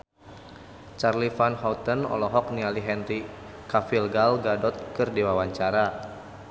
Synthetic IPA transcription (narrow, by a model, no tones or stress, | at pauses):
t͡ʃarlifanɦɔwt̪ənɔ̰lɔɦɔk̚nialiɦɛnri | kafilɡalɡadɔt̪̚kɨrdiwawaɲt͡ʃaɾa